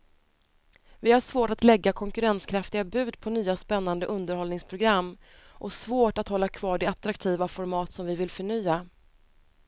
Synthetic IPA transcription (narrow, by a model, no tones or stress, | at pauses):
vɪhaʂvoːʈat̪lɛɡːakʰɔŋkɵɾɛnskʰɾaft̪ɪɡabʉ̟ːd̪pʰɔnyːaspɛnːand̪əʔɵnd̪əɾhɔlnɪŋspʰɾʊɡɾamː | ʔɔsvoːʈat̪hɔlːakʰv̥ɑːɖɛat̪ɾakt̪ʰiːvafɔɾmɑːt̪sɔmvɪvɪlfœɳyːa